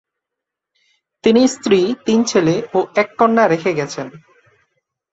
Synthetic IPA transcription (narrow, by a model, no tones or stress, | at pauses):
t̪inist̪ɾit̪int͡ɕʰeleoɛkːɔɳɖaɾekʰeɡɛt͡ɕʰen